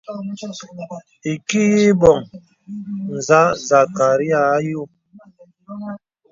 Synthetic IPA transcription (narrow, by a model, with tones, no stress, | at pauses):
i˨ki˦ji˦bɔ˨ŋ | n̩˨za˦za˨ka˨ɾi˦a˦˨˦ju˦˨